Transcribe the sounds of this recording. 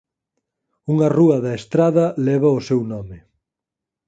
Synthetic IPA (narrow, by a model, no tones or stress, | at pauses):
uŋɐruɐðɐest̪ɾaðɐlɛβɐʊsewnɔmɪ